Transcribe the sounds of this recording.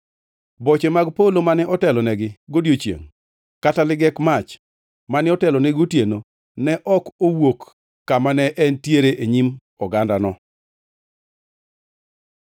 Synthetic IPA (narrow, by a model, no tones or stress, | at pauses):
bɔt͡ʃemaɡpolomanɛɔtɛlɔnɛɡɪɡodjot͡ʃjḛŋ | katalɪɡɛkmat͡ʃ | manɛɔtɛlɔnɛɡotjeno | nɛʔɔkowokː | amanɛʔɛntjeɾeʔeɲim | ɔɡandanɔ